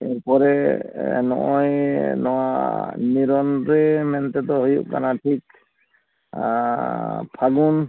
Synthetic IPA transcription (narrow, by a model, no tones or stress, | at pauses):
ɛɾpɔɾɛ | nɔ̰ʔɔjnɔwaniɾɔnɾɛmɛnt̪ɛt̪ɔɦɔjṵʔka̰natʰik | pʰaɡun